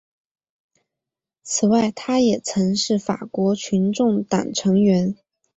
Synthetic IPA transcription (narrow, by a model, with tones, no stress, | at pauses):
t͡sʰɹ̩˨˩wa˥˩ɪt̪ʰa˥jɛ˨˩t͡sʰɤ˧˥ŋʂɻ̩˥˩fa̰˨˩kwɔ˧˥t͡ɕʰy˧˥nʈ͡ʂʊ˥˩ŋt̪a̰˨˩ŋʈ͡ʂʰɤ˧˥ŋɥɛ˧˥n